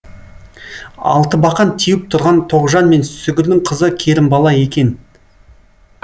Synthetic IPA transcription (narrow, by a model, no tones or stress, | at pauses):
ɑ̰lˠt̪əbɑqɑnt̪ʰijɪp̚t̪ʰʊɾʁɑnt̪ʰo̞ʁʒɑnme̞nsʏɡʲɪɾd̪ɪŋqʰəzəkʲʰe̞ɾɪmbɑlˠɑje̞kʲe̞n